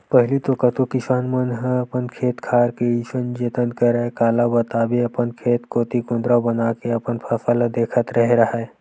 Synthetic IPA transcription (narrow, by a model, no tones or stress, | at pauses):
pəɦɪlit̪okət̪ukɪsaːnmənɦə̃ɐpənkʰeːt̪kʰaːɾkeisənd͡ʒeːt̪ənkəɾekaːlabət̪aːbeɐpənkʰeːt̪koːt̪ikʊnd̪ɾabənakeɐpənpʰəsəld̪eːkʰət̪ɾəɦɾɐɦa